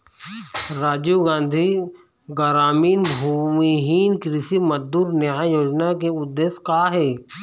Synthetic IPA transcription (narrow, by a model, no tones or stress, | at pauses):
ɾaːd͡ʒuɡãːnd̪ʱi | ɡəɾaːmiːnbʱuːmiɦiːnkɾɪsiməd̪uːɾnɪajoːd͡ʒnakeʊd̪ːeːskaːɦɛː